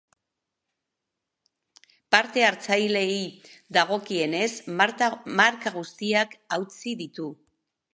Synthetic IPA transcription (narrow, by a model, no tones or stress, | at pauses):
paɾt̪e̞aɾt͡sajle̞iðaɣ̞o̞kie̞ne̞sz | maɾkaɣ̞ust̪iakawt͡siðit̪u